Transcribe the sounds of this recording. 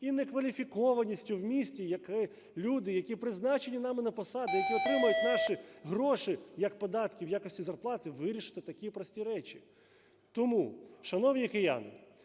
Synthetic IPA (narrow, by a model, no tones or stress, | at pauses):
inekʋɐlʲifʲikɔʋɐnʲisʲtʲʊwmʲisʲtʲijɐkɪ | lʲud̪ɪjɐkʲipɾɪznɑt͡ʃenʲinɑmɪnɐpɔsɑd̪ɪjɐkʲiɔt̪ɾɪmɐjʊtʲnɑʃiɦɾɔʃɪjɐk̚pɔd̪ɑt̪kʲiwjakɔsʲtʲizɐrplˠɑt̪ɪʋɪɾʲiʃɪ̥t̪ɪt̪ɐkʲipɾɔsʲtʲiɾɛt͡ʃʲi | t̪ɔmuʃɐnɔwnʲikɪja̰nɪ̰